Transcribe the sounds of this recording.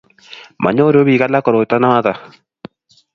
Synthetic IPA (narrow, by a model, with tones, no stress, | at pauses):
ma̰˨ɲɔ˦ɾo˦bi˨ka˦la˦kɔ˨ɾo˨t̪a˦na˦ma˦ta˨